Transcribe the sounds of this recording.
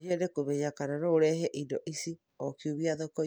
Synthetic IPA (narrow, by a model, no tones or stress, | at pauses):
ɛnekomɛɲakananoːɾɛɦɛʔindɔʔisi | ɔkiuβiaðokɔ